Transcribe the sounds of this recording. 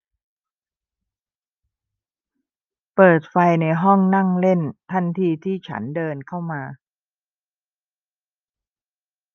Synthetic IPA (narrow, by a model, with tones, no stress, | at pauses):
pɤː˨˩t̪̚fa˧jna˧jɦɔ˥˩ŋna˥˩ŋle˥˩nt̪ʰa˥˩nt̪ʰiː˧t̪ʰiː˥˩t͡ɕʰa̰˦˥ndɤː˧nkʰa˥˩wmaː˧